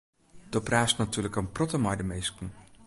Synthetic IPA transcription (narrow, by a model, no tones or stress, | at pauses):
d̥ɔpraːstnatyːləkənprɔtəmɑjdəmejskən